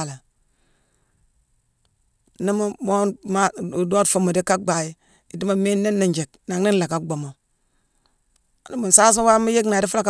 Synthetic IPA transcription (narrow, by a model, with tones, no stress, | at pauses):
la˨ | ni˦mu˦mo˦ma˦˨do˦tfu˦mu˨di˦ka˦ɡ͡ba˨ji˦ | i˨di˦ma˨me˦nːe˦nːi˨nd͡ʒe˨k̚na˨ŋ˦ni˦n˦la˨ka˦ɡ͡bo˨mo˨ | ni˦mu˨n˨sa˦s̬a˦wa˦mi˦je˦kna˨di˦fu˦la˦˨ka˦